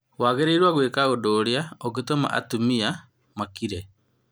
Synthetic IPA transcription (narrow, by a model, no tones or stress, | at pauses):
waːɣeɾeiɾwaɣwekaodoːɾjaɔɣetoma̰ʔa̰tumia | makiɾɛ